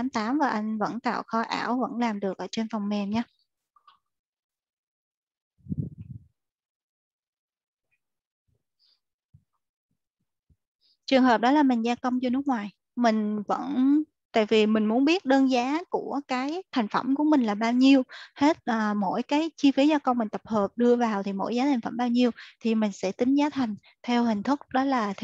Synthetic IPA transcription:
aː˨˦mt̪aː˨˦mvaː˨˩ʔa˧jŋ̟və̰˧˥nt̪a̰ː˧˨wxɔ˧ʔa̰ː˧˩wvə̰˧˥nlaː˨˩mɗɨ˨˩ək̚ʔəː˧˩t͡ɕe˧nvɔ˨˩wŋ͡mmɛ˨˩mɲaː˧ | t͡ɕɨ˨˩əŋɦəː˨˩p̚ɗɔ˨˦laː˨˩mï˨˩ŋ̟zaː˧kə˧wŋ͡mt͡ɕɔ˧nɨ˦˥k̚ŋwaː˨˩j | mï˨˩ŋ̟və̰˧˥n | t̪a̰ː˧˨jvi˨˩mï˨˩ŋ̟mu˨˦ənɓi˦˥ət̚ɗəː˧nzaː˨˦ku˧˩əkaː˨˦jt̪ʰa˨˩jŋ̟fə̰˧˩mku˧˩əmï˨˩ŋ̟laː˨˩ɓaː˧wɲi˧əwhe˦˥t̚ʔəː˨˩mo̰˧˥˨jkaː˨˦jt͡ɕi˧fi˨˦zaː˧kə˧wmï˨˩ŋ̟t̪ə˨˩p̚həː˨˩p̚ɗɨ˧əvaː˨˩wt̪ʰi˨˩mo̰˧˥jzaː˨˦t̪ʰŋ̟fə˧˩mɓaː˧wɲi˧əwt̪ʰi˨˩mï˨˩ŋ̟sɛ̰˧˥t̪ï˨˦ŋ̟zaː˨˦t̪ʰa˨˩jŋ̟ | t̪ʰɛ˧wɦï˨˩ŋ̟t̪ʰʊ˦˥k͡p̚ɗɔ˨˦laː˨˩

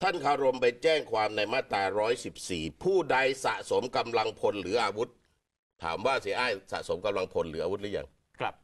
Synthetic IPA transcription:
t̪ʰa˥˩nkʰaː˧˥˩ɾo˧mpa˧jt͡ɕɛː˥˩ŋkʰwaː˧mna˧jmaː˥˩t̪aː˧ɾɔː˦˥jsi˨˩p̚siː˨˩pʰuː˥˩da˧jsa˨˩ʔso˩˦mka˧mla˧ŋpʰo˧nɾɯː˩˦ʔaː˧wu˦˥t̪̚ʰː | a̰ː˩˦mwaː˥˩si˩˦ʔaː˥˩jsa̰˨˩ʔso˨˩˦mka˧mla˧ŋpʰo˧nɾɯː˩˦ʔaː˧wu˦˥t̪̚lːja̰˧ŋ | k̚

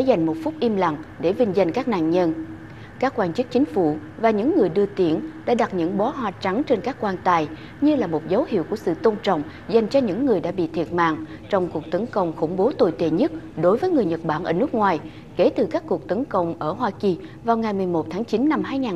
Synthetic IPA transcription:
za˨˩jŋ̟mo˨˩t̚fʊ˦˥k͡p̚ʔi˧əmla̰˧˨ŋɗe˧˩vï˧ŋ̟za˨˩jŋ̟kaː˦˥k̚na̰ː˧˨nɲə˧n | kaː˦˥kːwaː˧nt͡ɕɨ˦˥k̚t͡ɕï˨˦ŋ̟fṵ˧˩vaː˨˩ɲɨ̰˧˥ŋːɨ˨˩əjɗɨ˧ət̪i˧˩ənɗa̰ː˧˥ɗa˨˩t̚ɲɨ̰˧˥ŋɓɔ˨˦ɦwaː˨˩t͡ɕa˨˦ŋt͡ɕe˧nkaː˦˥kkwaː˧nt̪aː˧j | ɲɨ˧laː˨˩mo˨˩t̚zə˨˦whḭ˧əwku˧˩əsɨ̰˧˨t̪o˧ŋ͡mt͡ɕɔ̰˧˨wŋ͡m | za˨˩jŋ̟t͡ɕɔ˧ɲɨ̰˧˥ŋːɨ˨˩əjɗaː˧˥ɓḭ˧˨t̪ʰi˨˩ət̚ma̰ː˧˨ŋt͡ɕɔ˧wŋ͡mku˨˩ək̚t̪ə˨˦nkə˧˩wŋ͡mxʊ̰˧˩ŋ͡mɓo˨˦t̪o˨˩jt̪ḛ˧˨ɲə˦˥t̚ɗo˨˦jvəː˨˦jŋɨ˨˩əjɲə˨˩t̚ɓaː˧˩nʔəː˧˩nɨ˦˥ək̚ŋwaː˨˩j | ke˧˩˦t̪ɨ˨˩kaː˦˥kːu˨˩ək̚t̪ə˨˦nkə˧˨wŋ͡mʔəː˧˩ɦwaː˧ki˨˩ | vaː˨˩wŋa˨˩jmɨ˨˩əjmo˨˩t̚t̪ʰaː˨˦ŋt͡ɕi˨˦nːa˧mhaː˧jŋaː˨˩

